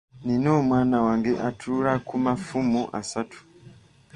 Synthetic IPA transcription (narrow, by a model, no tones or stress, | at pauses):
ninomwanawaŋɡeʔatʰuɾakumafumuʔa̰satu̥